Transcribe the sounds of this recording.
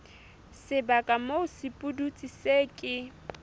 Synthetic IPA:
sɪbakʼamoʊsɪpʼudut͡sʼiseːkʼɪ

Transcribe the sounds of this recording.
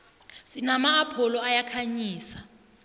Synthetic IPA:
sinamaːpʰɔlɔajakʰaɲiːsḁ

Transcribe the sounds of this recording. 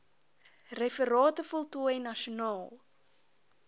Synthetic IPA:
rɛfəɾɑːtəfɔlˠtuəɛnɐʃunɑːlˠ

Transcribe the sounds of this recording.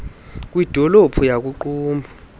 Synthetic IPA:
k̬ʼwid̥ʱɔlopʰujak̬uǃuːmbʱa

